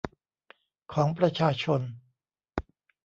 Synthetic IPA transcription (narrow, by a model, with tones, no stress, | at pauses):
kʰɔː˩˦ŋpɾa˧t͡ɕʰaː˧t͡ɕʰo˧n